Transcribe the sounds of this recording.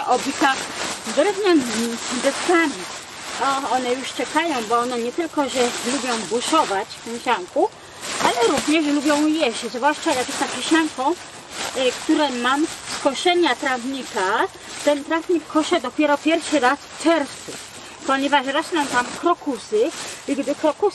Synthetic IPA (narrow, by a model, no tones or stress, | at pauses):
ʔɔbʲik̪axd̪ɾɛvɲɛmb̪ɛst̪amʲi | ɔɔnɛjuʂt͡ʂɛkajɔ̃w̃bɔɔnɛɲɛt̪ɘlkɔʐɛlubʲjɔ̃w̃buʂɔvat͡ɕɛ̃ɕaŋku | ʔalɛɾuvɲɛʐlubʲjɔ̃w̃jɛʃzvwaʂt͡ʂajaɡɛt̪akʲiɕaŋkɔ̃w̃ | kt̪uɾɛmamskɔʂɛɲat̪ɾavɲika | t̪ɛnt̪ɾavɲikʰːɔʂɛd̪ɔpʲjɛɾɔpʲjɛɾfʂɘɾasft͡ʂɛɾst̪su | pɔɲɛvaʂɾɔsnɛ̃nt̪amkɾɔkusɘiɡd̪ɘkɾɔku